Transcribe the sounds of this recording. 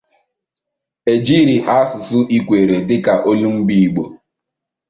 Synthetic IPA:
e˨d͡ʒi˦ɾi˨ʔa˦sʊ˨sʊ˦ʔi˦kʷe˨ɾe˨dɪ˦ka˨ʔo˦lu˦ŋ͡m̩˦ɡ͡bi˦˨ɡ͡bo˨

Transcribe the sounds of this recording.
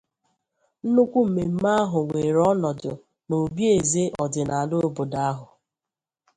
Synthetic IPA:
n̩˦nu˦kʷu˦m̩˨me˨m̩˦ma˦a˦ɦʊ˨ŋʷe˨ɾɔ˦nɔ˨dʊ˨ | no˨bje˨ze˦ʔɔ˨dɪ˨na˨a˨lo˦o˦bo˨da˦a˦ɦʊ˨

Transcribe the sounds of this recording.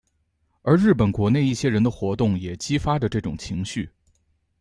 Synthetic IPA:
ə˞˧˥ɻɻ̩˥˩pə˨˩nkwɔ˧˥ne˥˧ɪi˥˩ɕjɛ˥ɻə˧˥nd̪ə˧xwɔ˧˥t̪ʊ˥˩ŋjɛ˨˩t͡ɕi˥fa˥ʈ͡ʂə˨ʈ͡ʂɤ˥˩ʈ͡ʂʊ˨˩ŋt͡ɕʰi˧˥ŋɕy˥˩

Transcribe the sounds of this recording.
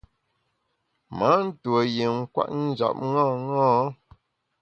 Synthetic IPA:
ma˨˦n̩˦two˨je˨ŋ̩˦kwa̰˦ʔ̚n̩˦d͡ʒa̰˨p̚ŋãː˦˨ŋãː˦

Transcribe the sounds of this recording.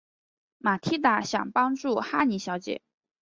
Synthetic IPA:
ma˨˩t̪ʰi˥t̪̬a˧˩˥ɕjɑ̰˨˩ŋpɑ˥ŋʈ͡ʂu˥˩xa˥ni˧˥ɕjɑ˧˥ʊt͡ɕjɛ̰˨˩˦

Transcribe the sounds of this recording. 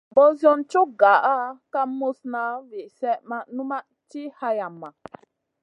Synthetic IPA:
bɔ˦zjɔ˦nt͡ʃu˦ɡa˨ʔa˦ka˦mo˦sna˨˦vi˨ʔsɛ˦ʔma˨nu˦ma˦ʔ | t͡ʃi˦ha˧ja˨mːa˨

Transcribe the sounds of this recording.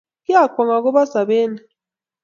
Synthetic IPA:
kja˦˨kwa˨ŋa˨k̬ɔ˦βa˦sa˨βeː˦ni˨

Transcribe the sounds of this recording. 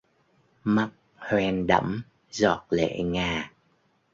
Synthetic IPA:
ma˦˥t̚ | hwɛ˧nɗə̰˧˥m | zɔ˨˩t̚lḛ˧˨ŋaː˨˩

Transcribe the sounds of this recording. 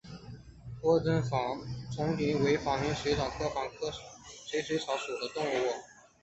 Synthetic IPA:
t̪wɔ˥t͡sə˥nfɑ˧˥t͡sʰʊ˧˥ŋt̪i˧˥we˧˥ɪfɑ˨˥˩ŋmi˧˥ŋʂe˧˥ʈ͡ʂʰɑ˨˩ŋkʰɤ˥˩fɑ˧˥ŋkʰɤ˥ʂe˧˥ɪʂɥe˧˥ʈ͡ʂʰɑ˧˥ʊʂu˨˩d̪ə˦t̪ʊ˥˧ŋu˥˧wɔ˥˩

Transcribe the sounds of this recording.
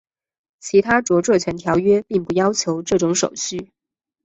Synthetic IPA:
t͡ɕʰi˧˥t̪ʰa˥ʈ͡ʂwɔ˧˥ʈ͡ʂɤ˥˩t͡ɕʰɥɛ˧˥nt̪ʰjɑ˧˥ʊɥɛ˥pi˥˩ŋpu˧˩jɑ˥ʊt͡ɕʰjo˧˥ʊʈ͡ʂɤ˥˩ʈ͡ʂʊ˧˥ŋʂo˨˩ʊɕy˥˩

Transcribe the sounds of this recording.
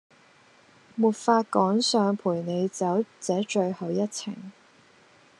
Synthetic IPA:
muː˨˩t̚faː˧t̚kɔː˨˥ŋsœː˨˧ŋpʰuː˨˩jne˨˧jt͡sɐ˨˥wt͡sɛː˨˥t͡ʃɵ˧ɥhɐ˨˧wjɐ˥t̚t͡sʰɪ̰˨˩ŋ

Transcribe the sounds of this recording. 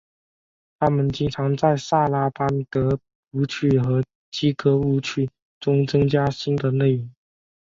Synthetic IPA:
t̪ʰa˥mə˨nt͡ɕi˥ŋʈ͡ʂʰɑ˧˥ŋt͡sa˥˧ɪsa˥˩la˥pa˥nk̪ɤ˧˥ | u˧˥t͡ɕʰy˥˩xɤ˧˥ | t͡ɕi˥kɤ˧˥u˧˥t͡ɕʰy˥˩ | ʈ͡ʂʊ˥ŋt͡sɤ˥ŋt͡ɕja˥ɕi˥nd̪ə˨ne˥˩ɪʊ˧˥ŋ

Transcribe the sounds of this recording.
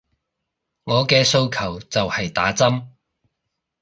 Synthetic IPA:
ŋɔː˨˧kɛː˧so˧wkʰɐ˨˩wt͡sɐ˨whɐ˨jt̪a̰ː˨˥t͡sɐ˥m

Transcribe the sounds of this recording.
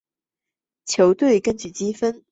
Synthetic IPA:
t͡ɕʰjo˨˧˥ʊt̪we˥˩ɪkə˥nt͡ɕy˨˩t͡ɕi˥fə˥n

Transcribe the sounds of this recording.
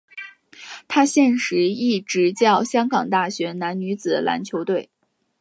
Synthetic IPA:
t̪ʰa˥ɕjɛ˥˩nʂɻ̩˧˥i˥˩ʈ͡ʂɻ̩˧˥t͡ɕjɑ˥˩ʊɕjɑ˥ŋkɑ˨˩ŋt̪a˥˩ɕɥɛ˧˥na˧˥nny˧˥t͡sɹ̩˨˩ə̰˦lʔa̰˧˥nt͡ɕʰjo˧˥ʊt̪we˥˩ɪ

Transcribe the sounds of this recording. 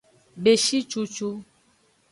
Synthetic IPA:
be˨ʃi˦t͡ʃu˦t͡ʃu˦

